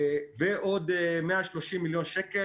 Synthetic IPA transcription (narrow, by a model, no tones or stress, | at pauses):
veʔod̪meaʃloʃimːiljo̞nʃeke